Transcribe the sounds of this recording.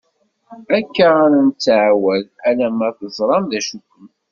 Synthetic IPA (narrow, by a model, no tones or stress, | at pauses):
ækːaːɾənt͡sːaʕwælælæmæθəzˤɾˤɑmðæʃukːəm